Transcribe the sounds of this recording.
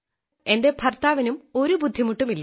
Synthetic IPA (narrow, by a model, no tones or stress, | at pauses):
e̞nde̞bʱɐrt̪aːʋɐnumo̞ɾubud̪ʱːimuʈːumilːɐ